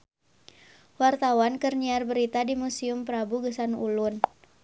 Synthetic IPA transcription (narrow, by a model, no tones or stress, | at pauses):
wart̪awankərniarbəɾit̪adimusiʊmpəɾabuɡəsanṵlʊn